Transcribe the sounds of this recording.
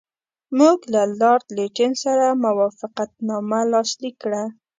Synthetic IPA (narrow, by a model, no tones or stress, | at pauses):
muɡlalɑɾd̪leʈɪnsaɾamawɑfɪqat̪̚nɑmalɑslikːɽa